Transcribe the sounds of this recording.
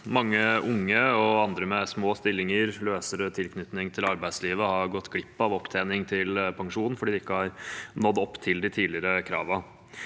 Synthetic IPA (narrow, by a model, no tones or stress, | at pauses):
mɑŋːəʔʊŋːəɔɑnd̪ɾəmɛsmoːst̪ɪlːɪŋəɾløːsəɾət̪ʰɪlkʰnʏt̪nɪŋt̪ʰɪlɑɾbæɪd̪sliːʋəhɑɾɡɔt̪ːɡɽɪpːɑʋɔpt̪ʰeːnɪŋt̪ʰɪlpʰɑŋʂuːnn̩fɔɖiːd̪ɛɪkːəhɑɾnɔd̪ːɔpːt̪ʰɪld̪ɪt̪ʰiːlɪəɾəkʰɾɑ̰ːʋə